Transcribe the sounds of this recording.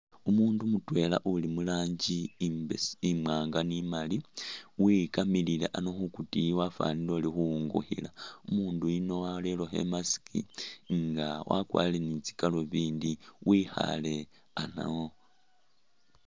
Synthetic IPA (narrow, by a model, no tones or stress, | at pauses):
umuːndumutwe̞la̰ʔulimulaːɲd͡ʒi | imaːŋɡanimaliwikamililḛʔanoxukutiwafa̰nilo̞ːlixuŋɡo̰xḭlaumuːnduino̞waleloxe̞̰masi̥kḭŋɡawʔa̰kwa̰ːlenit͡si̥kaloβiːndiwixa̰le̞ | ana̰wo